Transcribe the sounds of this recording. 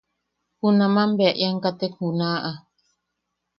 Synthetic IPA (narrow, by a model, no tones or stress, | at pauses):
hunãmãmbeaʔjaŋkat̪ekhunãʔa